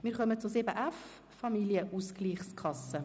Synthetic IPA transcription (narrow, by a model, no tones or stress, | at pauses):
mɪːɾχœmət͡sʊsɪbəʔæf | fɑmiljəʔuskliːχskʰɑsə